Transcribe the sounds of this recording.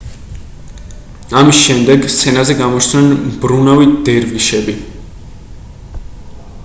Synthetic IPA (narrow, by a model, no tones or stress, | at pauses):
amisʃɛmd̪ɛɡst̪sʰɛnazɛɡamɔt͡ʃt̪nɛnbɾunavid̪ɛɾviʃɛbi